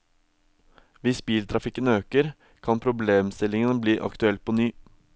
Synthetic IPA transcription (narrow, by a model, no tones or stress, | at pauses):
ʋɪsbiːlt̪ʰɾɑfɪkːənøːkəɾ | kʰɑnpʰɾʊbleːmst̪ɪlɪŋənəbliːʔɑ̰kt̪ʉɛlt̪̚pʰɔnyː